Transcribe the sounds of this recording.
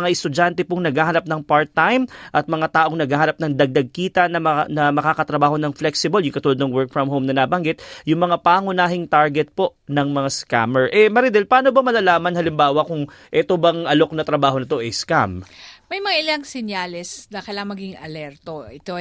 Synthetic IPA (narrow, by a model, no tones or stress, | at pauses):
ŋaʔɛst̪ʊd͡ʒant̪ɛpoŋnɐɡaːhɐnɐp̚nɐŋpaɹt̪ːajmʔɐt̪̚mɐŋat̪aːʔo̞ŋnɐɡaːhɐnɐp̚nɐŋd̪ɐɡ̚d̪ɐɡ̚kiːt̪ɐnɐnɐmɐkaːkɐt̪ɾɐbaːho̞nɐŋflɛksɪbɐljʊŋkɐt̪ulod̪nɐŋwɛɹk̚fɹɐmɦowmnɐnabɐŋɡɪt̪̚jʊŋmɐŋapaːŋʊnaːɦɪŋt̪aɹɡɛt̪̚po̞ʔnɐŋmɐŋaska̰mɛɹʔɛmɐɾid̪ɛlpaːnobɐmɐlɐlaːmɐnhɐlɪmbaːwɐkʊŋ | ʔɛt̪obɐŋʔɐlo̞k̚nɐt̪ɾɐbaːɦo̞nɐt̪o̞ʔɐjskammɐjmɐŋaʔɪlaŋsɛɲjaːlɛsnɐkɐjlaŋɐmɐɡiŋɐlɛɾt̪oɪt̪o